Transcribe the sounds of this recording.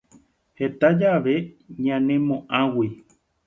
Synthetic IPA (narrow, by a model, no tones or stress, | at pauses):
het̪ad͡ʒaʋe̞ | ɲãnẽmõʔãwi